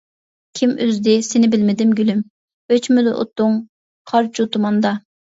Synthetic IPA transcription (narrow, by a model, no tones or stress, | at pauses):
kʲʰimʔøzd̪ɪsɪnɪbɪlmɪd̪ɪmɡʲylym | øt͡ʃʰmylɪʔo̰t̪ːuŋ | qʰɑɾt͡ʃʰut̪umɑnd̪ɑ